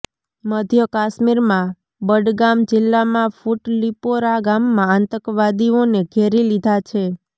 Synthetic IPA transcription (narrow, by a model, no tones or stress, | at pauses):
məd̪ʱjəkaʃmiɾmã | bəɖɡamd͡ʒɪlːamãfuʈlipoɾaɡamːãːnt̪əkʋad̪ioneɡʱeɾilid̪ʱat͡ʃʰe